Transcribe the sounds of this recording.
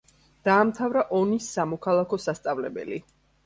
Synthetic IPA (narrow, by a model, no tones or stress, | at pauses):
d̪̥aːmt̪ʰavɾaʔɔnisːamɔkʰalˠakʰɔsast̪sʼavlɛbɛ̰li